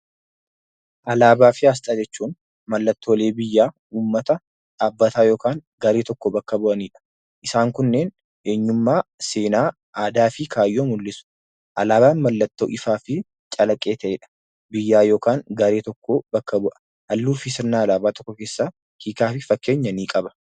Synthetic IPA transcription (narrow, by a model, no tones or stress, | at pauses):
ʔɐlaːbaːfɪaːs̬t̪ʼaːd͡ʒɛt͡ʃːuːn | mɐlːɐt̪ːoːle̞ːbɪjːaː | uːmːɐt̪ɐ | aːbːɐt̪aːjo̞ːkaːn | ɡɐɾe̞ːt̪ɔkːɔbɐkːɐbʊʔɐniːᶑɐ̥ | ʔɪsaːŋkʊnːeːn | ʔe̞ːɲːʊmːaːse̞ːnaː | ʔaːd̪aːfɪkʰaːjːoːmʊlːɪsʊ̥ | ʔɐlaːbaːnmɐlːɐt̪ːo̰ːʔɪfaːfɪ | t͡ʃʼɐlɐkʼːe̞ːt̪ʰɐʔeːᶑɐ̥ | bɪjːaːjo̞ːkaːŋɡɐɾe̞ːt̪ɔkːobɐkːɐbʊʔɐ̥ | hɐlːuːfɪs̬ɪɾnaːɐlaːbaːt̪ɔkːɔke̞ːsːaː | hiːkaːfɪfɐkːe̞ːɲːɐniːkʼɐbɐ̥